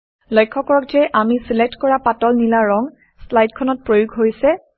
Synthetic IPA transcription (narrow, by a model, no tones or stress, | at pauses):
lɔjkʰːɔkɔɹɔkd͡ʒɛʔamisilek̚tkɔɹapatɔlnilaɹɔŋ | slajdkʰɔnɔt̚pɹojuɡɦojsɛ